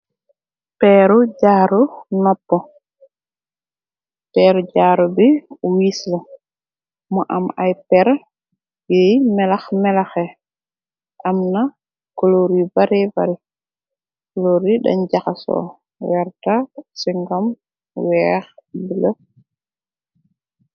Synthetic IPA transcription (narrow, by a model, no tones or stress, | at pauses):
pɛːɾuɟaːɾunɔpːɔ | pɛːɾɟaːɾubiwiːslɐ | mɔʔamajpɛɾ | jɛjmɛlaxmɛlaxɛ | ʔɐmna | koloɾibaɾiba̰ɾi | koloɾiɗɐ̰ɲɟaxasɔ̰ | wɛɾtasiŋɡɔm | wɛːxbilə